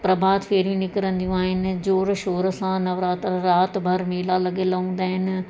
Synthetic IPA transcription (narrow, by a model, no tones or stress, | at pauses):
pɾɐbʱaːd̪feːɾjũnɪkəɾə̃nd̪ijũaːɦɪnɪ̆d͡ʑoːɾʃoːɾəsãnɐʋɾaːt̪ɾɾaːt̪bʱɐɾmeːlalɐɠeːlɐɦũːnd̪aːɦɪnɪ̆